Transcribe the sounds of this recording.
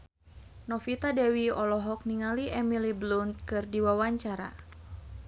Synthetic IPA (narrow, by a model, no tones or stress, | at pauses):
nɔfit̪adɛwiɔlɔɦɔk̚niŋaliɛmiliblunkɨrdiwawaɲt͡ʃaɾa̰